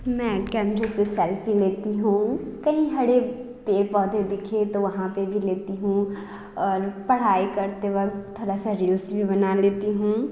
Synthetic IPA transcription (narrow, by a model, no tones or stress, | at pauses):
mɛ̃ːkɛːmɾesesɛlpileːt̪iɦũːkɐɦĩɦɐɽe | peːpɔːd̪ʱed̪ɪkʰet̪oʋɐɦãpebʱileːt̪iɦũ | ɔːɾpɐɽ̤aːikɐɾt̪eʋɐk̪̚t̪ʰːoːɾasaɾiːlsbʱibɐnaleːt̪iɦũː